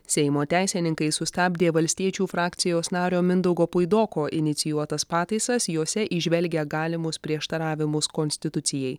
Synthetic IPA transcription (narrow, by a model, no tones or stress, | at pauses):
sʲɛɪmoːt̪ʲæˑɪsʲɛnʲɪŋkɐɪsʊst̪ɑːbʲd̪ʲeːʋɐlʲsʲt̪ʲiɛt͡ʃʲuːfɾɑːkt̪sʲɪjoːsnɑːɾʲoːmʲɪnd̪ɐʊɡoːpʊɪd̪oːkoːʔɪnʲɪt̪sʲɪjuɔt̪ɐspɑːt̪ɐɪsɐsjoːsʲɛʔɪʒʲʋʲɛlʲɡʲɛɡɑːlʲɪmʊspʲɾʲiɛʃt̪ɐɾɑːʋʲɪmʊskɔnʲsʲt̪ʲɪt̪ʊt̪sʲɪjɛɪ